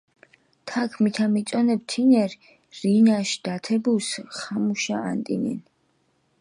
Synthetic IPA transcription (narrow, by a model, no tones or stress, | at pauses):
t̪ʰakʰmit̪ʰamit̪sʼɔnɛb̚t̪ʰinɛɾ | ɾinaʃd̪at̪ʰɛbusχamuʃaant̪ʼḭnḭn